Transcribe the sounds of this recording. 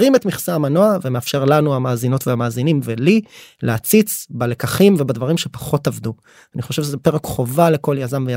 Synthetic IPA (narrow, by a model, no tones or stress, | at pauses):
ʁimetmiχsaːmanoavemeafʃe̞ʁlanuamaːzino̞tveamaːzinimvelilʔeat͡sit͡sbale̞kaχimvebadvaʁimʃepḁχo̞tavdu | aniχo̞ʃevʃezepe̞ʁekχo̞valeko̞ljazamveja